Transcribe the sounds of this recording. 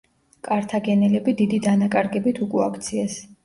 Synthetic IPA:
kʼaɾt̪ʰaɡɛnɛlɛbid̪id̪id̪anakʼaɾɡɛbit̪ʰukʼuakʰt̪sʰiɛs

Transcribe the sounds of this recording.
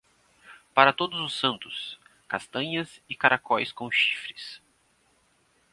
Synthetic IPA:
paɾɐt̪od̪ʊzʊsːɐ̃nt̪ʊskast̪ɐ̃ɲɐzɪkaɾʔakɔjskõw̃ʃi̥fɾɪs

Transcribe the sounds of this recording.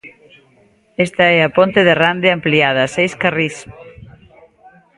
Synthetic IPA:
est̪ɐɛɐpont̪eðerand̪eampliað̞ɐsejskaris

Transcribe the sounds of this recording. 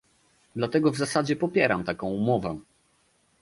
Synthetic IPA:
d̪lat̪ɛɡɔvzasad͡ʑɛpɔpʲjɛɾamt̪akɔ̃w̃umɔvɛ

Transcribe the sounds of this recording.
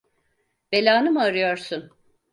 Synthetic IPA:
be̞lʲaːnɯmɯaɾɯjo̞ɾsun

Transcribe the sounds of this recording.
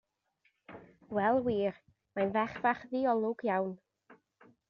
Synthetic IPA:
wɛlˠwiːr | majnvɛχvaχðiːɔlˠʊɡ̥jawn

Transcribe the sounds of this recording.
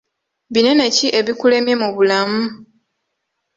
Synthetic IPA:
βine̞ne̞ciʔe̞βikule̞mje̞muβulamu

